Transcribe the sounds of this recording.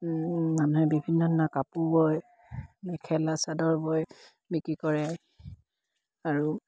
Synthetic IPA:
manuɦɛbibʱinːɔdnakapubɔj | lɛkʰɛlasadɔɹbɔj | bikɹikɔɹɛ | aɹu

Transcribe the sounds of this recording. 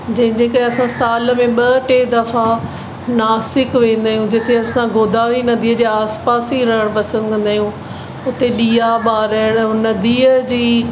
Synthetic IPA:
d͡ʑɐ̃ɦɪ̃ɲd͡ʑeːkəɾeɐsãsaːl̆mẽɓɐʈed̪ɐfa | naːsɪkʋẽːn̆d̪aːijũd͡ʑɪt̪ʰeɐsãɡoːd̪aːɾinɐd̪iːəd͡ʑeːaːspaːsiɾɐɦəɽ̃pɐsə̃nd̪kɐ̃nd̪aːijũ | ʊt̪eɗiːaɓaːɾəəɽ̃nɐd̪iːəd͡ʑiː

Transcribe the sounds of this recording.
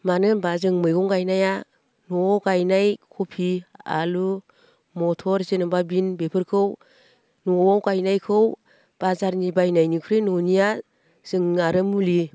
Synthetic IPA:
manɯbazɯŋmɯjɡɔŋɡajnaja | nɔwɡajnajkʰopʰia̰lu | mɔtʰɔɾzenɯbabinbepʰɯɾkʰɯw | nɔɔwɡajnajkʰɯw | b̥azaɾnibajnajnikʰɯɾɯnɔnija | z̥ɯŋnaɾɯmuli

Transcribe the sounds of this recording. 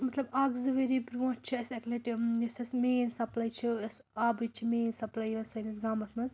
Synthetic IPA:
mɐt̪lɐbaːɡzɨʋeɾipɾõːt͡ʃʰiɐsɐklɐʈijɐsɐsmeːnsɐplɐjt͡ʃʰiɐs | aːbit͡ʃʰimeːnsɐplɐjʋɐsɐnisɡaːmɐsmɐz

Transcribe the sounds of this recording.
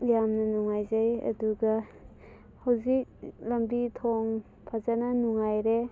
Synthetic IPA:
jamnɐnuŋajzajɐ̰duɡɐ | hɐwzik̚lɐmbitʰoŋ | pʰazanɐnuŋajɾe

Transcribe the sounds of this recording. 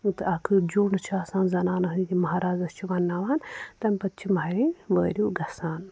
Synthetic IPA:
t̪ɨɐkʰɨd͡ʒoːɳɨt͡ʃʰaːsãːnzɐnaːnɐɦɨd̪ʲimɐɦaːɾaːzɐst͡ʃʰiʋaːnːaːʋaːnt̪ɐmpɐt̪̚t͡ʃʰimɐɾiʋəːɾʲuːɡɐsaːn

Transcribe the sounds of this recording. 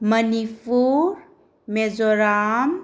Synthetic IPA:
mənipʰuɾ | mezoɾam

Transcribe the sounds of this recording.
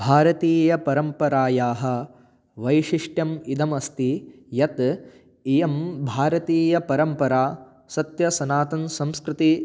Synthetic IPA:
bʱaːɾɐt̪iːjɐpɐɾɐmpɐɾaːjaːɦɐ̆ | ʋɐjʃiʂʈjɐmid̪ɐmɐst̪i | jɐt̪ | ijɐmbʱaːɾɐt̪iːjɐpɐɾɐmpɐɾaː | sɐt̪jɐsɐnaːt̪ɐnsɐ̃mskɾɪt̪i

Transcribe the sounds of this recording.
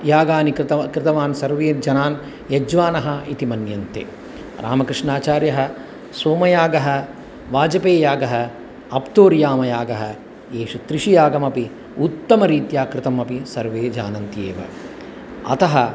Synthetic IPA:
jaːɡaːnikɾt̪ɐkɾɪt̪ɐʋaːnsɐɾʋeːd͡ʒɐnaːn | jɐd͡ʒʋaːnɐɦɐit̪imɐnjɐnt̪ḛː | ɾa̰ːmɐkɾɪʂɳaːt͡ʃaːɾjɐɦɐ̆ | soːmɐjaːɡɐɦɐ̆ | ʋaːd͡ʒɐpeːjaːɡɐɦɐ̆ | ɐpt̪oːɾjaːmɐjaːɡɐɦɐ | eːʃut̪ɾiʃijaːɡɐmɐpi | ut̪ːɐmɐɾiːt̪jaːkɾɪt̪ɐmɐpisɐɾʋeːd͡ʒa̰ːnɐnt̪ijeːʋɐ̰ | ɐ̰t̪ɐɦɐ

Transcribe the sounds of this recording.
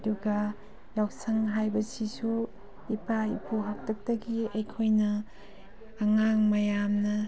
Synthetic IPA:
duɡɐ | jawk̚sɐŋɦajbɐsisu | ipaipʰuɦak̚tʰɐk̚tɐɡiɐjkʰojnɐː | ŋaŋmɐjamnɐ

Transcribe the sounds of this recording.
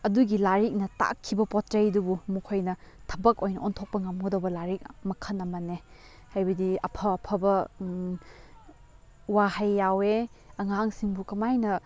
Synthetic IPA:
ɐduɡilaɾik̚nɐta̰kʰːibɐpɔtɾejdubumukʰojnɐtʰɐbɐkojnɐɔntʰok̚pɐŋɐmɡɐdobɐlaɾik̚mɐkʰɐnɐmɐne | hajbɐdiɐ̰pʰɐːpʰɐbɐ | wahɐjːaweɐŋaŋsiŋbukɐmajnɐ

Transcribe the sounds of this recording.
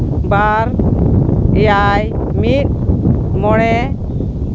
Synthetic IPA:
baɾ | ɛjajmit̪̚mɔɽ̃ɛ

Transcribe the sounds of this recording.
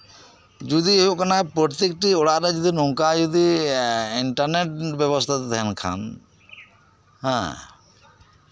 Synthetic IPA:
d͡ʒud̪iɦuʔkanapəɾt̪ik̚ʈiɔɽaɾad͡ʒud̪inɔŋkad͡ʒud̪i | iɳʈaɾneʈbɛβɔst̪ʰat̪t̪ɛɦɛnkʰa̰n | ɦɛ̰̃

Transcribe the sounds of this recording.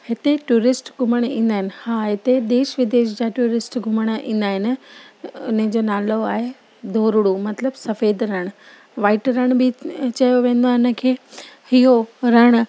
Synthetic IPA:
hɪt̪eʈuːɾɪsʈɡʱʊməɽ̃ĩːn̆d̪aːɦɪnɪ̆haːɦɪt̪ed̪eːʃʋɪd̪eːʃd͡ʑaːʈuːɾɪsʈɡʱʊməɽ̃əʔĩːn̆d̪aːɦɪnɪ̆ | ʊnə̃d͡ʑoːnaːloaːɦe | d̪ʱoːɾɽumɐt̪ləbsɐfeːd̪ɾɐɽ̃ | ʋaːɪʈɾɐɽ̃bɪt͡ɕɐjoʋẽːn̆d̪aːɦɪnə̆kʰeːhiɦoɾɐɽ̃

